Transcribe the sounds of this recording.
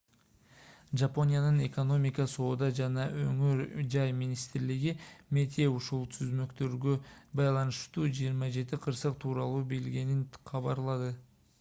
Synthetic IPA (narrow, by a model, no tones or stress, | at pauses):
ʒapo̞nʲijanəne̞ko̞no̞mijkɑso̞d̪ɑʒɑnɑɵ̰ŋʏɾʒɑjminijst̪ɪɾlɪɡʲɪme̞t̪ʰeʊʃʊlˠt̪ʰʏzme̞kt̪øɾɡʲebɑjlˠɑnəʃt̪uʒijəɾmɑʒe̞t̪ɪqʰəɾsəq̚t̪ʰuɾɑlˠube̞lɡʲe̞nɪnχɑβɑɾlˠɑd̪ə